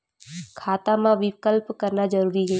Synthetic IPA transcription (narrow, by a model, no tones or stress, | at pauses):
kʰaːt̪amãʋɪkəlpkɐɾnad͡ʒəɾuːɾiɦɛː